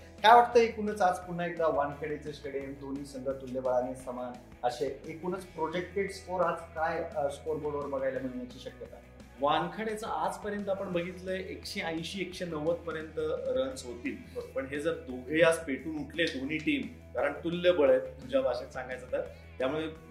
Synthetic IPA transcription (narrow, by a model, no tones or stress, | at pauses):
kjaʋaʈ̚t̪əɦekunət͡sad͡zpuɳ̤ːaekd̪aʋankʰəɽet͡ɕeɕkəɽed̪on̤iːsəŋɡ̪əɾt̪ulːəbəɭanesəma | əɕeekun̤ət͡spɾod͡ʑekʈeʈskoɾad͡zkajskoɾbəɽoʋəɾbəɡʱajlam̤iɭɲjat͡ɕiːɕəkjət̪a | ʋankʰəɽet͡səad͡zpəɾjənt̪̬əapəɳbʱəɡʱit̪ləeʔekɕeə̃j̃ɕiːekɕenəʋət̪pəɾjənt̪əɾənsɦot̪iːl | əpəɳɦed͡zəɾd̪oeəd͡zpeʈuːnuʈʰled̪oniːʈiːm | kaɾəɳt̪ulːəbəɭəjt̪t̪ud͡ʑʱabʱaɕesãŋɡʱajd͡zat̪əɾ | t̪jamuɭe